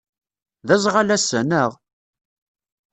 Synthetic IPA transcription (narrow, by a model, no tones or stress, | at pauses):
ðæzʁalæsənəʁ